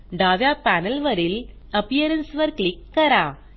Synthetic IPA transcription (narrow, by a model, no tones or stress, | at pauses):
ɖaːʋjaːpaːnɐlʋɐɾɪl | ɐpijɐɾɐnsʋɐɾkɭɪkːɐɾaː